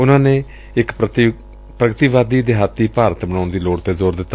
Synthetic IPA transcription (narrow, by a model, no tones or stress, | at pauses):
ʊnãːnẽː | ɪk̪ | pɾəɡət̪iːʋaːd̪iːd̪eɦaːt̪ːiːpaːɾət̪bəɳaːʊnd̪iːloːɽt̪eːzoːɾd̪ɪt̪ːa